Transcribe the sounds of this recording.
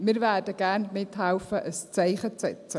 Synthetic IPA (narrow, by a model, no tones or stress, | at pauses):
mɪːɾvæːdəɡ̥æɾnmɪt̪ɦɛʊfəʔəst͡sæɪχət͡sɛt͡sə